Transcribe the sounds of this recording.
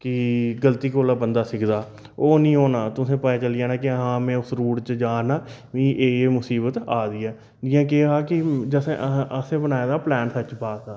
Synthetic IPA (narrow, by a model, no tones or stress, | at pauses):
kɪɡəlt̪iːkoːlaːbənd̪aːsɪkʰd̪aː | oːnĩːoːnaːt̪ʊsẽːpəɛːt͡ʃəlɪjaːnãːkɪɦãːmɛ̃ːʊsɾuːɽt͡ʃd͡ʒaːnaː | ʋĩːʔeːeːmʊsiːbət̪aːd̪iːɛː | d͡ʒɪːãːk̬eːɦaːkɪd͡ʒəsẽʔəsẽːbənaːed̪aːplɛːnsət͡ʃpaːsaː